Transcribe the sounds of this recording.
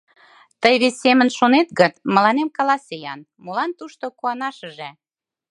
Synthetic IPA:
t̪əjβesemə̆nʃonet̪̚ɡət̪mə̆lɑnemkɑlɑsejɑ̰n | molɑnt̪uʃt̪okuɑnɑʃə̆ʒe

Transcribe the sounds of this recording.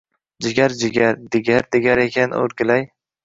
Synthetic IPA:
d͡ʒɪɡʲaɾd͡ʒɪɡʲaɾd̪ɪɡʲaɾd̪ɪɡʲaɾekʲʰano̰ɾɡʲɪlaj

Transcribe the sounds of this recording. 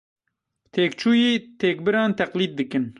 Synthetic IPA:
t̪ʰeːkt͡ʃʰuːjiːt̪ʰeːk̚bɨɾɑːnt̪ʰɛqliːd̪̚ːɨkɨn

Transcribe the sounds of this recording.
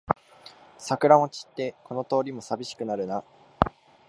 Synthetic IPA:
sakɯ̟ɾão̞t͡ɕi̥t̪ːe̞ko̞no̞t̪o̞ːɾʲimo̞sabʲiɕi̥kɯ̟naɾɯ̟na

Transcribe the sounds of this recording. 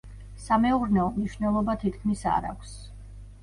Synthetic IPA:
samɛuɾnɛɔmniʃnɛlˠɔbat̪ʰit̪ʰkʰmisa̰ɾa̰kʷʰs

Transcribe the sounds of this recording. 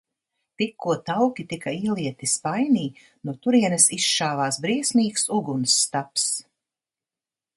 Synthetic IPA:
t̪ikʰːuɔt̪awkʲit̪ikaiːlˠiɛt̪ispajniː | nuɔt̪uɾiɛnɨsisʃaːvaːsbɾiɛsmiːksuɡunsːt̪aps

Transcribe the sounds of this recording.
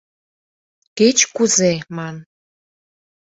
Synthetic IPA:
ket͡ɕkuzemɑn

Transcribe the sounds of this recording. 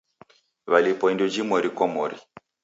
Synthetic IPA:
βalipɔindɔd͡ʒimɔɾikɔmɔɾḭ

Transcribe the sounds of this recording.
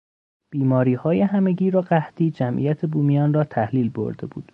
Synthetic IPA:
b̥iːmɒːɾiːhɒːjeɦæme̞ɟiːɾɒːɢæht̪ʰiːd͡ʒæmʔḭjæt̪ʰe̞buːmijɒːnrɒːt̪ʰæhliːlbo̞̰ɾd̪e̞bṵːd̪̥

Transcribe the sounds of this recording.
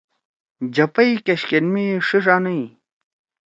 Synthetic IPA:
d͡ʑɐpɐikeɕkenmiʂiʂaːnɐi

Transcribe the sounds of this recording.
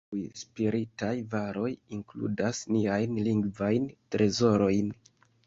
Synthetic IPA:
jspiɾitajvaɾo̞jiŋklṵdasniajnliŋɡvajntɾʔe̞zo̞ɾo̞jn

